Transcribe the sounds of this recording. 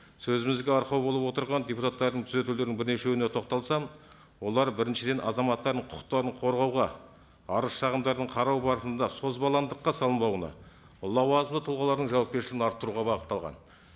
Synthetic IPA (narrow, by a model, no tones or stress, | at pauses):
sɵzɪmɪzɡʲeɑɾqɑwbo̞lˠəpwo̞t̪əɾʁɑnd̪ʲeput̪ʰɑt̪ːɑɾd̪əɴt̪ʰʏze̞t̪ule̞ɾd̪ɪŋbɪɾne̞ʃewɪnet̪ʰo̞q̚t̪ɑlˠsɑm | wo̞lˠɑɾbɪɾɪnʃɪd̪e̞nʔɑ̰zɑmɑt̪ːɑɾd̪əɴqʰʊ̥qə̥qt̪ːɑɾəɴqʰo̞ɾʁɑwʁɑ | ɑɾəsʃɑʁəmd̪ɑɾd̪əɴqʰɑɾɑwbɑɾəsənd̪ɑso̞zbɑlˠɑnd̪əqːɑsɑlˠəmb̪ɑwənɑ̰ | ʊlˠːɑwɑzənd̪ət̪ʰʊlˠʁɑlˠɑɾd̪əɴʒɑwɑp̚kʲe̞ʃlɪɡʲɪnɑɾt̪ːəɾuʁɑbɑʁət̪ːɑlˠʁɑ̰n